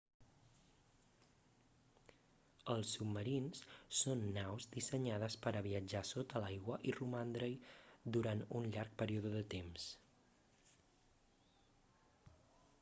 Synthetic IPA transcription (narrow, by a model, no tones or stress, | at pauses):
əlˠsːubməɾinssonːawzd̪isəɲað̞əspəɾəβiəd͡ʒasot̪əlajɣwəʔirumand̪ɾəjd̪uɾanunʎaɾk̚pəɾiuðəðət̪ems